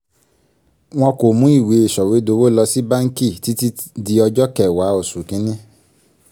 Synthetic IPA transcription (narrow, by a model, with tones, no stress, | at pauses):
w̃ɔ̃˧ko˨mũ˨˦i˦˨we˨˦e˨ʃɔ˨we˨˦do˧˦wo˦lɔ˧si˦bã˦ŋ̩˦ki˦˨ti˨˦ti˦di˧ɔ˧d͡ʒɔ˦kɛ˦˨wa˨˦o˦˨su˨kĩ˨˦nĩ˦